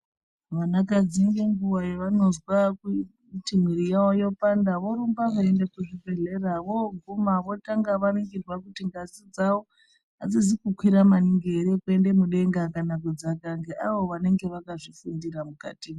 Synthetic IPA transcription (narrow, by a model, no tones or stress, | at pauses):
ʋanakad͡ziŋɡeŋɡuwajoʋano̞zwaku | tim̤wiɾijawojo̞pandaʋo̞ɾumbaʋaendekuʐibʱe̞ɮe̞raʋoɡʱumaʋo̞taŋɡaʋanoŋɡirwakutiŋɡasid͡zawo | ad͡zizikukwiɾamaniŋɡeɾekue̞nde̞muɗe̞ŋɡakanak̬ud͡zakaŋɡeʔaʋo̞ʋane̞ŋɡe̞ʋakaʐifundiɾamuka̰ti